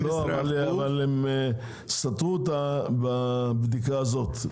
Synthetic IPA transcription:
loavaleavaleme | sat̪ʁut̪ababd̪ikaːzo̞t̪

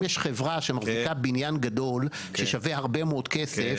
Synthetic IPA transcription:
jeʃχevʁaʃemaʁzikabinjanɡado̞l | ʃeʃavehaʁbemood̪kesef

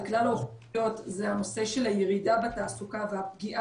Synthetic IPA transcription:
klalaoχo̞tzehano̞se̞ʃelhajeʁidabeat̪aːsukavehap̚ɡiʔa

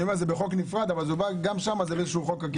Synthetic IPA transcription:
jomeʁzebeχo̞knifʁad̪avalzeubaɡamʃamazebeezeʃuχo̞kak

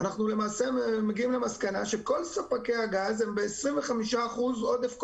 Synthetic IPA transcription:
anaχnule̞maːsemeɡiimle̞maskana̰ʃe̞ko̞lsapake̞aɡazembe̞ːsʁinve̞χamiʃaːχuzo̞defk

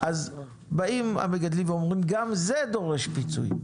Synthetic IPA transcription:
ʔaz | baima̰meɡad̪limveomʁimɡamzed̪o̞ʁe̞ʃpit͡sṵj

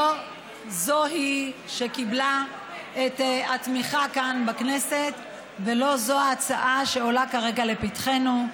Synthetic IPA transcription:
o | zoɦiʃe̞kibla | etatmiχakanbaknese̞t | ve̞lo̞zo̞aːt͡saʔaʃe̞o̞lakaʁe̞ɡale̞pitχe̞nu

